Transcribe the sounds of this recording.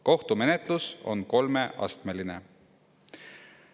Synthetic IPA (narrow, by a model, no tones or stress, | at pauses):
ko̞ht̪ume̞net̪ˑluso̞̰nko̞lme̞ʔɑ̰st̪meline̞